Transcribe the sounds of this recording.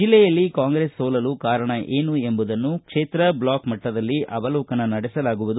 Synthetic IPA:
d͡ʒilːɛjɐlːikaːŋɡɾeːsːoːlɐlukaːɾɐɳɐʔeːnue̞mbud̪ɐnːukʂeːt̪ɾɐblaːkmɐʈːɐd̪ɐlːiʔɐ̰bɐlɔːkɐnɐnɐɽɛsɐlaːɡuʋud̪u

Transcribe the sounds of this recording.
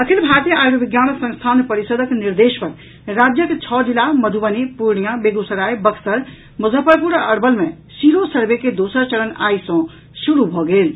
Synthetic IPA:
əkʰilbʱat̪ijəajɾobiɡjanəsə̃ŋst̪ʰanpəɾisod̪ʱəkniɾd̪espəɾ | ɾad͡ʒjəket͡ʃʰɔd͡ʒilaməd̪ʱuʋənipuɾɳijãbeɡusəɾajbəkʰsəɾ | mud͡ʒʱəpəɾpuɾəɽbəlme | siɾosəɾbeked̪osəɾt͡ʃəɾəna̰isɔ̃ | suɾubʱɔɡel

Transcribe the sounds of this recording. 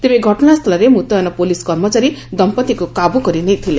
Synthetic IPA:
t̪ebeɡʱɔʈɔnast̪ʰʌlaɾemut̪ɔnɔpoliskʌrmʌt͡saɾid̪ʌmpʌt̪ikokabukʌɾinejt̪ʰile

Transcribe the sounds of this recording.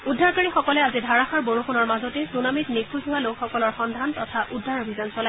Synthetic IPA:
udʱːaɹkaɹixɔkɔlɛazidʱaɹaxaɹboɹuxunɔɹmazɔtɛsunamitnikʰuɦʊwalokxɔkɔlɔɹxɔndʱantɔtʰaʔudʱːaɹobʱizɔnsɔlaj

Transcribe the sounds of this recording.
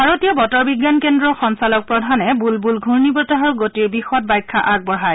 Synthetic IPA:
bʱaɹotijɔbɔtɔɹbiɡːankendɹɔxɔnsalɔk̚pɹɔdʱanɛbulbulɡʱuɹnibɔtaɦɔɹɡotiɹbixɔt̚bajkʰːaʔaɡ̚bɔɹɦaj

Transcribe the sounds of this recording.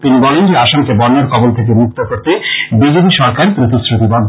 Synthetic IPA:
t̪inibɔlend͡ʑeaʃoŋkebɔɾnːaɾkʰɔbolt̪ʰek̬emuk̚t̪okoɾt̪ebid͡ʑep̬iʃɔɾkaɾp̪ɾit̪ʰusɾot̪ibɔn

